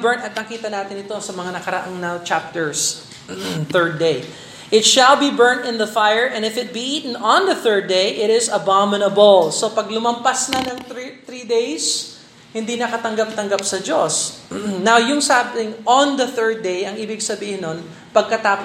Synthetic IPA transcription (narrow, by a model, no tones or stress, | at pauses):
bɛɹnt̪ɐt̪̚nɐkiːt̪ɐnaːt̪ɪnɪt̪o̞sɐmɐŋanɐkɐɾɐ̰ʔaŋnɐt͡ʃap̚t̪ɛɹs | θɛɹd̪̚ej | ʔɪt̪ʃɐlbibɛɹnt̪ɪ̃nðɐfajəɹʔɛ̃nɪfɪt̪̚biʔiːt̪ɪŋɔ̃nðɐθɛɹd̪̚ejʔɪɾɪsɐbamɪnɐbolso̞pɐɡlʊmɐmpasnɐnɐŋt̪ɾid̪ejs | hɪnd̪inɐkɐt̪ɐŋɡap̚t̪ɐŋɡapsɐd͡ʒosnawjʊŋsabɪŋʔɔnðɐθɛɹd̪̚ːejɐŋiːbɪɡsɐbiːhɪnːon | pɐɡ̚kɐt̪aːp